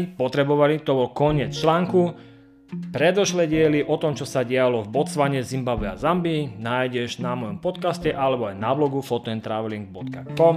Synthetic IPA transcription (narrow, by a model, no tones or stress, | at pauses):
pɔt̪ɾɛbɔʋalit̪ɔbɔlkɔɲɪɛt͡st͡ʃlaːŋku | pɾɛd̪ɔʃlɛɟɪɛliʔɔt̪ɔmt͡ʃɔsaɟɛalɔvbɔt͡sʋaɲɛzimbabʋɛa̰zambinaːjɟɛʒnamɔjɔmpɔt̪kascɛʔalɛbɔajnablɔɡufɔt̪ɔɛnt̪ɾaʋɛliŋɡ̚bɔt̪ka̰kɔm